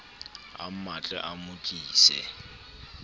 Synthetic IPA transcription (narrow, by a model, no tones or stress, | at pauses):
a̰mat͡ɬʼɛ̰ʔamʊkʼiːsɛ̰